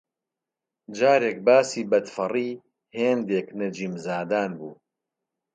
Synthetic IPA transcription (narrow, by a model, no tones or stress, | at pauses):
d͡ʒaːɾeːk̚baːsiːbɐd̪fɐriː | heːnd̪eːknɐd͡ʒiːmzaːd̪aːnbṵː